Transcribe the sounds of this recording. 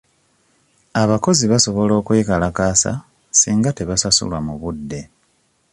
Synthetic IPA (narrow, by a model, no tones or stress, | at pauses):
aβako̞ziβaso̞βo̞lo̞ːkweːkalakaːsa̰ | siːŋɡate̞βasasṵlwamuβudːe̞